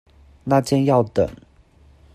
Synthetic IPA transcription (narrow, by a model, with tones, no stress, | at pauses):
na˥˨t͡ɕjɛ˥˧njɑ˥˩ʊt̪ə̰˨˩˦ŋ